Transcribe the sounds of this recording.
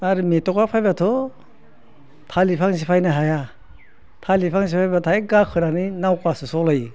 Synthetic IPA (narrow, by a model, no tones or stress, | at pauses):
aɾɯmetɔkapʰajbatʰɔ | tʰalipʰaŋs̬ipʰajnaɦaja | tʰalipʰaŋs̬ipʰajbatʰajɡakʰɯɾaninawkasɯsɔlaj